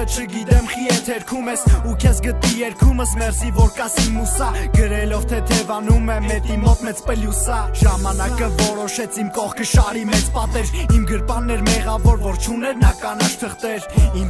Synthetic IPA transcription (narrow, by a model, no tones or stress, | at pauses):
t͡ʃʰəɡit̪ɛmχiɛt̪ʰɛɾkʰumɛsukʰɛsɡət̪nijɛɾkʰuməsmɛɾzivɔɾkɑsimusɑɡəɾɛlɔvt̪ʰɛt̪ʰɛvɑnumɛmɛt̪imɔt̪mɛt͡spəljusɑʒɑmɑnɑkəvɔɾɔʃɛt͡sʰimkɔχkʰəʃɑɾimɛt͡spɑt̪ɛɾimɡəɾpɑnːɛɾmɛʁɑvɔɾvɔɾt͡ʃʰunɛɾnɑkɑnɑʃt̪ʰəχt̪ɛɾim